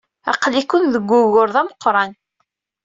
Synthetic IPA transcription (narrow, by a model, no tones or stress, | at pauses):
ɑ̰qlikːʊnðəɡʷːʊɣʊɾðæməqːɾˤɑn